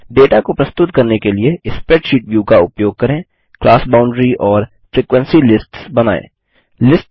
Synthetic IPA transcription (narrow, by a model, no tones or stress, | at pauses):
ɖeːʈakopɾɐst̪ʊt̪kɐɾnekelieɪspeːʈʃiːʈʋjuːkaʊpjoːɡ̚kɐɾẽ | klaːsbaːʊ̃ɳɖɾiʔɔːɾ | fɾiːkwə̃nsilɪsʈsbɐna̰ːḛ̃ː | lɪsʈ